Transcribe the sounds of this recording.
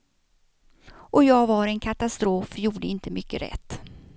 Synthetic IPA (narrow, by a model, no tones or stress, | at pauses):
ʔɔjɑːɡvɑɾɛnkʰat̪ast̪ɾoːfjuːɖəɪnt̪əmʏkːəɾɛ̰t̪ː